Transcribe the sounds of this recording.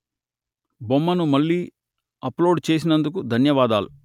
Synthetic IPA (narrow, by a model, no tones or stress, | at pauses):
bomːɐnumɐɭːiː | ɐploːɖt͡ʃe̞ːs̬inɐnd̪ukud̪ʱɐnjɐʋaːd̪aːlu